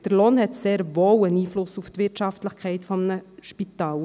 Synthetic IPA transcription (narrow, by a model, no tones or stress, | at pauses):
d̥əɾloːnhɛtseːɾʋowəniːflʊsuft̪ʋɪɾtʃɑftləχkʰɛɪtfɔmnəʃpit̪ɑːl